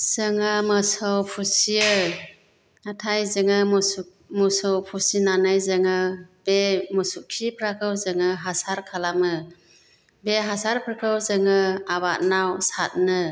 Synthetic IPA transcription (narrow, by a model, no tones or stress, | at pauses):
z̥ɯŋɯmɯsəwpʰusiɯ | atʰajzɯŋɯ | musɯwpʰusinanajzɯŋɯbemɔsukʰipʰɾakʰɯwzɯŋɯɦasaɾkʰalamɯ | beɦasaɾpʰɯɾkʰɯwzɯŋɯaβat̚nawsat̚nɯ